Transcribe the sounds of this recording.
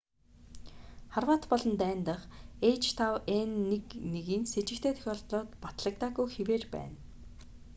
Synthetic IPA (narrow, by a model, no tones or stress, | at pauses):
χarwaːt̪pɔɮɞ̆nt̪æːnt̪ə̆χejt͡ɕt̪ʰawenːekneɣiːnset͡ɕɪ̆kt̪ʰeːt̪ʰœ̥xʲɔːɮtɮɔːt̪pɔt̪ɮə̆k̚t̪aːɣujxeweːrpæ̰ːn